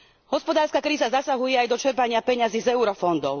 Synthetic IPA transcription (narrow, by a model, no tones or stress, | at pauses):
ɦɔspɔd̪aːɾskakɾiːzazasaɦujɛajd̪ɔt͡ʃɛɾpaɲɪapɛɲaziːzɛuɾɔfɔnd̪ɔʊ